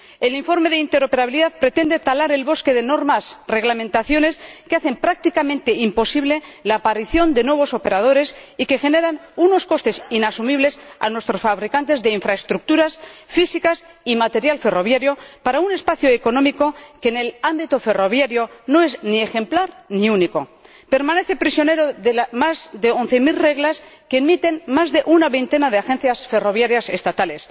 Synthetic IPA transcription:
e̞liɱfo̞ɾme̞ðeint̪eɾo̞pe̞ɾaβiliðaðpɾe̞t̪e̞nd̪e̞t̪alaɾe̞lβo̞ske̞ðe̞no̞ɾmasre̞ɣlamẽnt̪aθjo̞ne̞skeaθempɾak̚t̪ikamẽnt̪e̞impo̞siβle̞laːpaɾiθjo̞nd̪e̞nwe̞βo̞so̞pe̞ɾað̞o̞ɾe̞sike̞xe̞ne̞ɾanuno̞sko̞st̪e̞sinasumiβ̞le̞sa̰nwest̪ɾo̞sfaβɾikant̪e̞zðe̞iɱfɾaest̪ɾuk̚t̪uɾasfisikas | imat̪e̞ɾjalfe̞ro̞βjaɾjo̞paɾaune̞spaθjoeko̞nomiko̞kene̞lambit̪ofe̞ro̞β̞jaɾjo̞no̞eznie̞xe̞mplaɾniuniko̞ | pe̞ɾmãne̞θe̞pɾisjo̞ne̞ɾoðelamazðe̞on̟θe̞milre̞ɣlaskemit̪e̞nmazðe̞ʔunaβe̞jnt̪e̞nað̞e̞axe̞nθjasfe̞ro̞β̞jaɾjase̞st̪at̪ale̞s

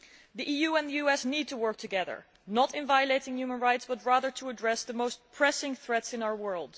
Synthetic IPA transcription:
ðiʔijuɨ̃nðɨjʉɛsnid̚tʰəwɜ˞k̚tʰɨɡɛðə̰˞ | nəɾɨ̃nvajəleɪɾɪ̃ŋjʉmə̃nɹaɪtsb̥ʌt̚ɹæðə˞tʰəːdɹɛsðəmoʊst̚pʰɹ̥ɛsɪ̃ŋθɹɛtsɨ̃naʊə˞wɜ˞lˠd̥

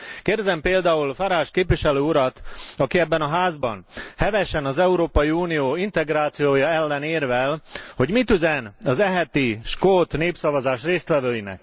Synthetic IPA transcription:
keːrd̪ɛzɛmpeːld̪aːulfaɾaːʃkeːpʋiʃɛløːuɾɒt̪ɒkiɛbːɛnɒɦaːzbɒ̰nhɛvɛʃɛnɒzɛuɾoːpɒjiuːnijoːint̪ɛɡraːt̪sijoːjɒɛlːɛneːrvɛlho̞ɟmit̪yzɛnɒzɛɦɛt̪iʃkoːt̪neːpsɒvɒzaːʃreːst̪ʋɛvøːjinɛ̰k

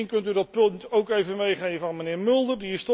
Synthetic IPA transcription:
inkɵntydɑt̚pɵntowkejvənʋejχejəvɑnmənɪːɹmʏlˠdərdiɪstɔ

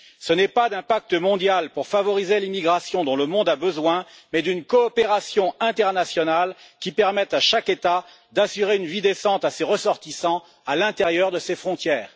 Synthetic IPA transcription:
sənɛpad̪ɛ̃pak̚t̪əmɔ̃d̪jalpuʁfavɔʁizelimiɡʁasjɔ̃d̪ɔ̃ləmɔ̃d̪abəzwɛ̃mɛd̪ynkɔːpeʁasjɔ̃ɛ̃t̪ɛʁnasjɔnalkʲipɛʁmɛt̪aʃaket̪a | d̪asyʁeynvid̪esɑ̃t̪aseʁəsɔʁt̪isɑ̃ | alɛ̃t̪eʁjœʁd̪əsefχɔ̃t̪jɛːʁ

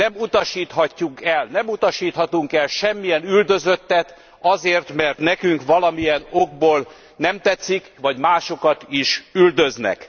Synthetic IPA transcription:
nɛmut̪ɒʃiːt̪hɒcːukɛlnɛmut̪ɒʃiːt̪hɒt̪uŋkɛlʃɛmːijɛnyld̪øzø̞t̪ːɛt̪ | ɒzeːrt̪mɛrt̪nɛkyŋkʋɒlɒmijɛnoɡ̚boːl | nɛmt̪ɛt̪sːikʋɒɟmaːʃo̞kɒt̪iʃyld̪øznɛ̰k

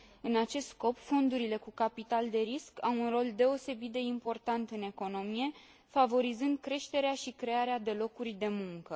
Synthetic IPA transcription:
ɨnat͡ʃe̞st̪sko̞pfo̞nd̪uɾile̞kukapit̪ald̪e̞ɾiskawunro̞ld̪e̞o̞se̞bit̪̚d̪e̞impo̞rt̪ant̪ɨne̞ko̞no̞mije̞ | favo̞ɾizɨnd̪̚kɾe̞ʃt̪e̞ɾeaʃikɾe̞aɾead̪e̞lo̞kurʲd̪e̞muŋkə

